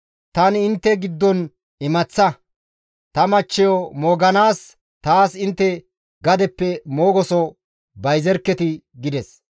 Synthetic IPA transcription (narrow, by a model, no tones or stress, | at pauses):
t̪ɐnɪnt̪ːɛɡɪd̪ːɔn | ɪmɐt͡sːɐ | t̪ɐmɐt͡ʃːɛjɔmoːɡɐnaːs | t̪aːsɪnt̪ːɛ | ɡɐd̪ɛpːɛmo̞ːɡɔsɔ | bɐjzɛɾkːɛt̪ɪɡɪd̪ɛs